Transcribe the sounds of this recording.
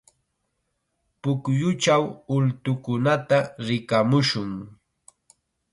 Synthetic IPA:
pʊkjʊt͡ʃawʊlt̪ʊkʊnat̪aɾɪkamʊʃʊŋ

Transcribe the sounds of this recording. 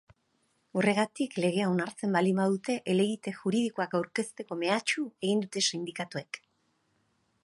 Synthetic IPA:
o̞re̞ɣ̞at̪ikle̞ɣ̞e̞aonaɾt͡se̞mbalimbaðut̪e̞ʔele̞ɣit̪e̞ʝuɾiðikoakawɾke̞st̪e̞ko̞me̞at͡ʃue̞ɣ̞ind̪ut̪e̞sind̪ikat̪ue̞k

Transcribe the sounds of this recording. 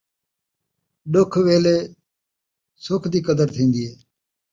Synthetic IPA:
ɗʊkʰʋeːleː | sʊːkʰd̪iːkəd̪əɾt̪ʰĩːnd̪iːɦeː

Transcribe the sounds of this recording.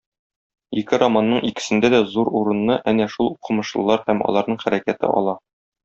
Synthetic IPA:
ikɘɾɐmanːɤɴikɘ̥̆sɘ̆nd̪æd̪æzuɾuɾɤ̆nːɤʔænæʃulˠuqɤ̆mɤ̆ʃlˠɤ̆lˠɑɾhæmɒ̰lˠɑɾnɤɴχæɾækæt̪ɘ̰ʔɒ̰lˠɑ

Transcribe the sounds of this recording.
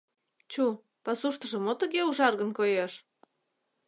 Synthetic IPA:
t͡ɕu | pɑsuʃt̪ə̆ʒə̆mot̪ə̆ɣeuʒɑrɣənkojeʃ

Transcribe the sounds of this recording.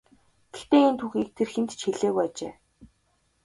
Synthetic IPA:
ɡ̥ext̪eːint̪ʰuːxiːk̚t̪ʰerxent̪t͡ɕʰxeɮeːɣujat͡ɕḛː

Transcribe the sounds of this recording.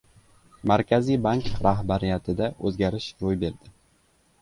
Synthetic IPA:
maɾkʲʰazijbaŋkɾaɦbaɾijat̪ʰɪd̪aʔɵzɡʲaɾɪʃɾojbe̞ɾd̪ɪ

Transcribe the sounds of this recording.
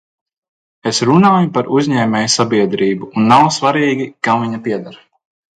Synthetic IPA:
esɾunaːjupaɾʔuzʲɲɛːmʲɛːjsabiɛd̪ɾiːbuːnːawsvaɾiːɡʲikamviɲapiɛd̪aɾ

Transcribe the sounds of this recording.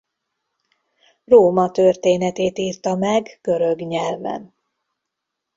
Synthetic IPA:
roːmɒt̪ørt̪eːnɛt̪eːt̪iːrt̪ɒmɛɡɡ̥ø̞ɾøɡɲɛlvɛ̰n

